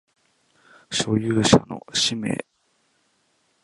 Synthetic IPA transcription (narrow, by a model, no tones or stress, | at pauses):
ɕo̞jɯːɕa̰no̞̰ɕime̞̰ː